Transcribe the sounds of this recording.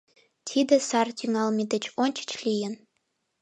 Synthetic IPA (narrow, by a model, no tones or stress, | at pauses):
t̪ʲʰid̪ə̆sɑrt̪yŋɑlmʲid̪ə̆t͡ɕonʲt͡ɕə̥t͡ɕlijə̆n